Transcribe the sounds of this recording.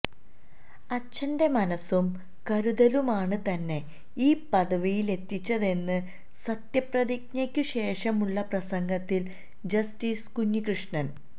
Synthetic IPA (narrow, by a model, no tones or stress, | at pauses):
ɐt͡ɕːɐnde̞mɐnɐsum | kɐɾuðɐlumaːɳɨt̪ɐnːe̞ | iːpɐðɐʋijile̞t̪ːit͡ɕːɐðe̞nːɨ | sɐt̪jɐprɐðik̚ɲɐkʲːuɕe̞ːʂɐmuɭːɐprɐsɐŋɡɐt̪ːil | d͡ʑɐstiːskuɲːikrɨʂɳɐn